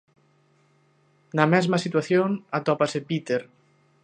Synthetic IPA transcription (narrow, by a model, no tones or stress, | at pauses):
namɛzmasit̪waθjoŋat̪ɔpasepit̪eɾ